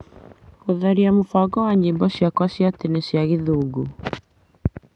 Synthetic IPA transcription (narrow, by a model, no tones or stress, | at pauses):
koðaɾiamofaɡɔwaɲimbɔsjakwasjat̪inesjaɣiðuːɡu